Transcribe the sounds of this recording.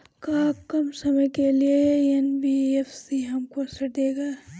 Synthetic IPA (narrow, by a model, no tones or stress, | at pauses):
kaːkɐmsɐməjkelieɛnbiefsiɦɐmkosɐd̪eːɡaː